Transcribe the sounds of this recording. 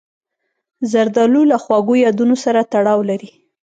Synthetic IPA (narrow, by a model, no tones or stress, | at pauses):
zaɾd̪ɑlulaxwɑɡojɑd̪unosaɾat̪aɽɑwlaɾi